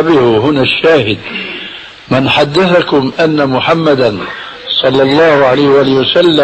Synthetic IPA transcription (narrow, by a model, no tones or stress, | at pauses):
bɪhɦʊnaʃːaːhɪd̪ | mɪnħad̪ːaθakʊmʔanːamʊħamːad̪an | sˤɑlːɑlˤːɑːhʊʕalajhɪwʔaːlɪhɪwasalːa